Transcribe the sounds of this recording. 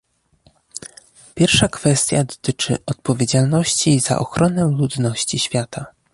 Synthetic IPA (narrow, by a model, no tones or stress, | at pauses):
pʲjɛɾfʂakfɛst̪ʲja̰d̪ɔt̪ɘt͡ʂɘ̰ɔt̪pɔvʲed͡ʑalnɔɕt͡ɕiz̥a̰ʔɔ̰xɾɔnɛlud̪nɔɕt͡ɕiɕfʲjat̪ʰa